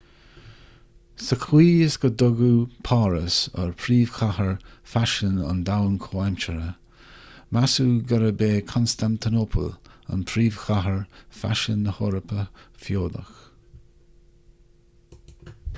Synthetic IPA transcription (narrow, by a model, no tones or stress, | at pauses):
səkʰwiːɪsɡ̥əd̪ʊɡupʰaːɾəsə̰ɹpʰɾiːv̥xʰahəɹfaʃənə̰nd̪awənkʰoːɛmt͡ʃəɾə | masuːɡaɾəbeːkʰɔnst̪ant̪ʰɪnopʰə̰lə̰npʰɾiːv̥xʰaɦəɹfa̰ʃənəhoɾəpʰəfjoːd̪ə̰x